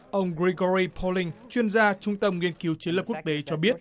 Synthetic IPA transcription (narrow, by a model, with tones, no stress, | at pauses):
ʔə˧wŋ͡mɣɹi˧ɣɔ˧ɹi˧pʰɔ˧lï˧ŋ̟t͡ɕwi˧ənzaː˧t͡ɕʊ˧ŋ͡mt̪ə˧mŋi˧ənki˨˦wt͡ɕnlə˨˩p̚ku˦˥k̚t̪e˨˦t͡ɕɔ˧ɓi˦˥ət̚